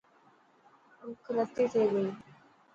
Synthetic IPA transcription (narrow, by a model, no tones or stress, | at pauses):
ʊkʰɾət̪ːit̪ʰeɡəiː